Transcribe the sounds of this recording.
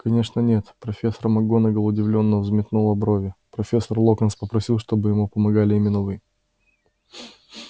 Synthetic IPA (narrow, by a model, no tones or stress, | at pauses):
kɐnʲe̞ʂnənʲe̞t̪pɾɐfʲe̞sːəɾmɐɡo̞nəɡəlˠʊdʲɪvlʲo̞nːəəvzmʲɪt̪novɐbɾovʲɪpɾɐfʲe̞sːərlˠo̞kənspəpɾɐsʲilˠʂt̪o̞bɨjɪmupəmɐɡalʲɪɪmʲɪnɐvɨ